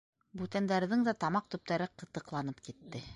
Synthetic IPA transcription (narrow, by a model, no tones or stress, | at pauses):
bʉt̪ænd̪æɾðɘŋd̪æt̪ɑmɑq̚t̪ɵ̆p̚t̪æɾɘqɤ̆t̪ɤ̆qlˠɑnɤpkit̪ːɘ